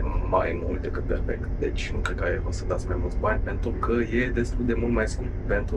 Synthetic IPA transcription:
majmult̪̚d̪e̞kɨt̪̚perfḛkt̪d̪et͡ʃʲnukɾed̪kaevosəd̪at̪sʲmajmult̪sʲbanʲpent̪ɾukəje̞d̪e̞st̪uld̪e̞mult̪majskur | pent̪u

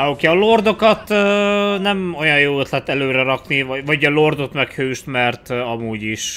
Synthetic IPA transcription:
okɛɒlord̪o̞kɒt̪ː | nɛmo̞jɒjjoːøt̪lɛt̪ːɛløːɾɛɾɒknivɒɟɒlo̞rd̪o̞t̪mɛkhøːʃt̪mɛrt̪ɒmuːɟiʃ

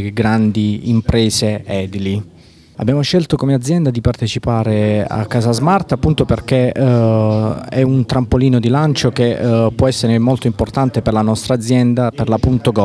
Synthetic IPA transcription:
ɡɾand̪iimpɾɛːseɛd̪ili | abːjaːmoʃɛlt̪okomead̪zːjɛnd̪ad̪ipart̪et͡ʃipaːɾea̰kːaːzazmart̪apːunt̪operk̟e | ɛunt̪ɾampoliːnod̪ilant͡ʃok̟epːwɔɛsːeɾemolt̪oimport̪ant̪eperlanɔst̪ɾaːd̪zːjɛnd̪aperlapunt̪oɡɔ

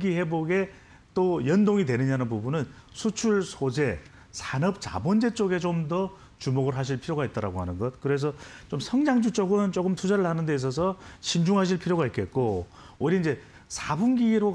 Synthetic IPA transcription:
ɡihe̞boɡe̞ | t͈ojʌndoŋidwe̞nɯɲanɯnbubunɯnsʰut͡ɕʰuɭsʰod͡ʑe̞ | sʰanɯp̚t͡ɕa̰bʌnd͡ʑe̞t͡ɕ͈oɡe̞t͡ɕomdʌ | t͡ɕumoɡɯɭɦaɕ̬ʰiɭpʰiɾjoɣait̚t͈aɾa̰ɡoɦanɯnɡʌt̚kɯɾe̞s̬ʰʌt͡ɕomsʰʌŋɲaŋd͡ʑut͡ɕ͈oɡɯnt͡ɕokɯmtʰud͡ʑaɾɯɭhanɯnde̞is̬ʰʌs̬ʰʌɕʰind͡ʑuŋɦaɕ̬ʰiɭpʰiɾjoɣait̚k͈ʰe̞t̚k͈o | oiɾiind͡ʑe̞ | sʰabumɡiɾo

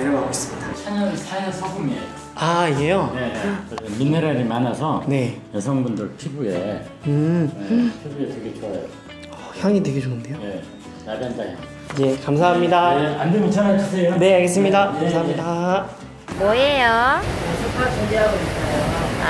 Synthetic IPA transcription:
eɾɡaɡos͈ɯ̥midat͡ɕʰaɲʌnsʰajʌsʰʌɡumie | aiɡejoeemineɾaɾimanasʰʌne̞jʌsʰʌŋbundɯɭtʰibuḛ | ɯ | pʰibueteɡitʰʌɾa̰ | ʌçjʌŋideɡiɾoɡɯndejoje | naɡandao̰ŋ | id͡ʑe̞kamsʰaɦamɲidaandemit͡ɕʰanaɕʰisʰejone̞kʰaɡe̞s͈ɯmɲidakamsʰaɦamɲida | mʌejoosʰupʰat͡ɕoŋɡeɦaɡoitʰajoa̰

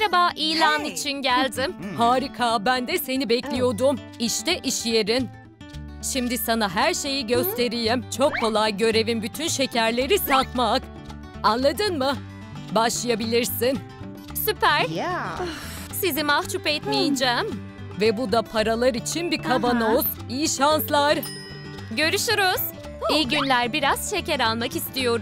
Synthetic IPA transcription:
ɾabaːʔiːlʲaːnit͡ʃʰinɟælʲd̪imhaːɾikʰaːbænd̪ɛse̞nibɛclʲijo̞d̪um | iʃt̪ʰɛʔiʃjeɾin | ʃimd̪isanaɦæɾʃe̞jiɟø̞st̪ʰe̞ɾijimt͡ʃʰo̞kʰːo̞lˠajɟø̞ɾe̞vinbyt̪ʰynʃe̞cæɾlʲe̞ɾisat̪mak | anlˠad̪ɯnmɯ | baʃlˠajabilʲiɾsin | sypæɾ̥ | sizimaht͡ʃʰupɛt̪mijid͡ʒɛːm | vɛbud̪apʰaɾalˠaɾit͡ʃʰinbikʰabanoz̥ | ijiʃanslˠaɾ | ɟø̞ɾyʃyɾuz̥ | ijɟynlʲæɾbiɾaz̥ʃe̞cɛɾalˠmakist̪ʰijo̞ɾu

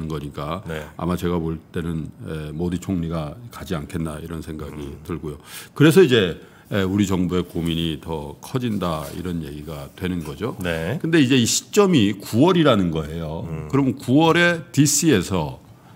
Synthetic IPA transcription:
ɯnɡʌɲik͈aa̰mat͡ɕe̞ɡamoɭt͈e̞nɯnemodɯt͡ɕʰoŋɲiɡakad͡ʑiankʰe̞nːaiɾʌnsʰe̞ŋɡaɡitɯɭɡojokɯɾe̞s̬ʰʌid͡ʑe̞ | euɾit͡ɕʌŋbue̞komiɲitʌkʰʌd͡ʑindaḭɾʌnje̞ɡiɡatwe̞nɯnɡʌd͡ʑonekɯnde̞id͡ʑe̞iɕʰi̥t͡ɕ͈ʌmikuwʌɾiɾanɯnɡʌe̞jokɯɾʌmnkuwʌɾe̞tis͈ʰie̞sʰʌ

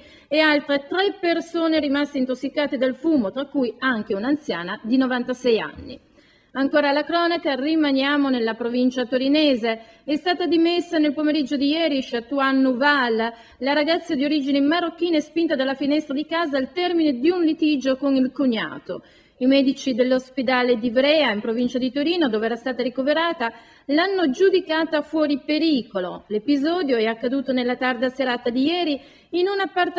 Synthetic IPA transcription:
ealt̪ɾet̪ɾɛpːersoːneɾimast̪eint̪osːikaːt̪ed̪alfuːmot̪ɾakːujaŋk̟eunant̪sja̰ːnad̪inovant̪asɛja̰nːḭ | aŋkoːɾalakɾɔːnakarimanjaːmonelːapɾovint͡ʃat̪oɾinɛːze | ɛst̪aːt̪ad̪imesːanelpomeɾid͡ʒːod̪ijɛːɾiʃat̪uanːuvalː | laɾaɡat̪sːad̪ioɾid͡ʒineimːaɾokːiːnaɛspint̪ad̪alːafinɛst̪ɾad̪ikaːzaːlt̪ɛrmined̪iunlit̪id͡ʒokonilkuɲːa̰ːt̪o̰ | imɛːd̪it͡ʃid̪elːosped̪aːled̪ivɾɛːaimpɾovint͡ʃad̪it̪oɾiːnod̪oːveɛːɾast̪aːt̪aɾikoveɾaːt̪a | lanːod͡ʒud̪ikaːt̪afwɔːɾipeɾiːkolo̰lepizɔːd̪joɛakːad̪uːt̪onelːat̪ard̪aseɾaːt̪ad̪ijɛːɾiː | nunapːart̪

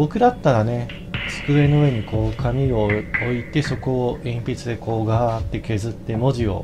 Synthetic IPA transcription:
bo̞kɯ̟d̪at̪ːaɾane̞ | sɨ̥kɯ̟e̞noɯe̞ɲ̟iko̞ːkʰamʲio̞oit̪e̞so̞ko̞ːʔĩmpʲit͡sɨd̪e̞ko̞ːɡat̪ːe̞ke̞zɨt̪ːe̞mo̞ʑio̞̰

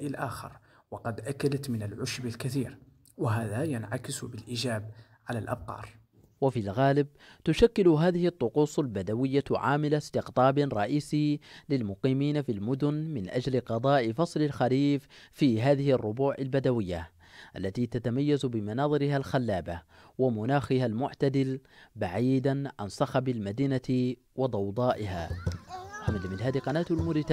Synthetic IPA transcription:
ʔɪlʔaːxɑ̰ɾˤwɑqɑd̪ʔakːalat̪mɪnalʕʊʃbɪlkaθiːɾ | waɦaːðajanʕakɪsbɪlʔid͡ʒaːb | ʕalalʔa̰b̚qɑ̰ːɾˤ | wafilɣaːlɪb̚ | t̪ʊʃakːɪlʊɦaːðɪhɪt̪ˤːʊquːsˤalbad̪awɪjːaʕa̰ːmɪlast̪ɪqt̪ˤɑːbɾˤɑʔiːsilɪlmʊqiːmiːnafilmʊd̪ʊnmɪnʔa̰d͡ʒlɪqɑd̪ˤɑːʔɪfɑsˤlɪlxaliːffiːɦaːðɪhɪrˤːʊbuːʕalbad̪awɪjːa̰ | ʔa̰lːat̪it̪at̪amajːazbɪmanɑːðˤɨɾɪhalxalːaːba | wamʊnaːxɪhalmʊʕt̪ad̪ɪlbaʕiːd̪anʕa̰nsˤɑxabalmad̪iːnat̪ | wɑd̪ˤɑwd̪ˤɑːʔɪha̰ː | ħamad̪amɪnhaːd̪iqɑnaːt̪almʊɾɪt̪a

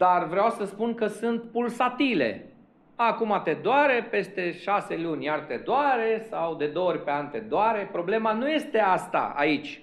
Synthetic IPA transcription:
d̪arvɾeawsəspunkəsɨnt̪pulsat̪ile̞̰ | akumat̪e̞d̪oaɾe̞pe̞st̪e̞ʃase̞lunʲjart̪e̞d̪oaɾe̞sawd̪e̞d̪oorʲpe̞ant̪e̞d̪oaɾe̞pɾo̞ble̞manuje̞st̪e̞ast̪a̰a̰it͡ʃʲ

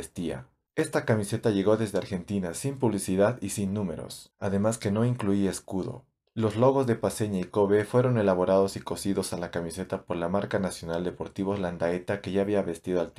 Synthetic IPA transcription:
st̪ia̰ | e̞st̪akamise̞t̪aʝe̞ɣo̞ðe̞zðeaɾxe̞nt̪inasimpuβlisiðaðisinːũme̞̰ɾo̞̰saðe̞maske̞no̞iŋkluie̞skuðo̞̰ | lo̞zlo̞ɣo̞zðe̞pase̞ɲaiko̞βefwe̞ɾo̞ne̞laβo̞ɾað̞o̞siko̞siðo̞salakamise̞t̪apoɾlamaɾkanasjo̞nald̪e̞po̞ɾt̪iβo̞zland̪aet̪ake̞ʝaːβiaβe̞st̪iðoalt̪

